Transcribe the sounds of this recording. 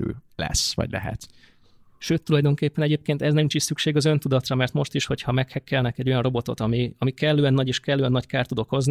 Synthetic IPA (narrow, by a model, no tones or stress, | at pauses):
ø̰ːlɛ̰sʋɒ̰ɟlɛ̰ɦɛ̰t̪ | ʃøːt̪ːulɒjd̪o̞ŋkeːpːɛnɛɟeːp̚keːnt̪ɛznɛmint͡ʃiʃsykʃeːɡɒzø̞nt̪ud̪ɒt̪rɒmɛrt̪mo̞ʃt̪iʃho̞chɒmɛkhɛkːɛlnɛkɛɟːo̞jɒnro̞bo̞t̪o̞̰t̪ɒmiɒmikɛlːøːɛnːɒɟeːʃkɛlːøːɛnːɒckaːrt̪ud̪okho̞zni